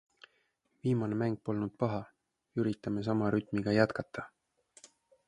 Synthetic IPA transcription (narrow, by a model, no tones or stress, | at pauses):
viːmɑne̞mæŋɡ̥̚po̞lnud̪̥̚pɑɦɑ | yɾit̪ːˑɑme̞s̬ɑmɑɾyt̪ˑmiɡ̥ɑjæt̪kɑt̪ʰːˑɑ